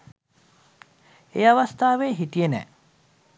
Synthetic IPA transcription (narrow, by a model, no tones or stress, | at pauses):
ejaʋast̪aːʋeːɦit̪ijenɛ̰ː